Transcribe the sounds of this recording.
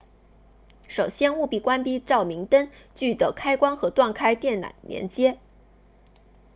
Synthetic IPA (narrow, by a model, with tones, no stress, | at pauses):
ʂo˨˩ʊɕjɛ˥nu˥˧pi˥˩kwa˥npi˥ʈ͡ʂɑ˥˩ʊmi˧˥ŋt̪ə˥n | t͡ɕy˥˩d̪ə˨˩kʰa˥ɪkwɑ˥ŋxɤ˧˥t̪wa˥˩nkʰa˥ɪt̪jɛ˥˩nna̰˨˩˦nmjɛ̰˧˥nt͡ɕjɛ˥